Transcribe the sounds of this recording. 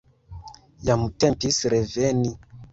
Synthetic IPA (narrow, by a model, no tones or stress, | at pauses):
jamutɛmpisiɾɛvɛni